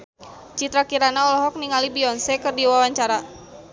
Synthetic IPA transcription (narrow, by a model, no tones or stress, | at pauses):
t͡ʃit̪ɾakiɾanaɔlɔɦɔk̚niŋalibiɔnsɛkɨrdiwawaɲt͡ʃaɾa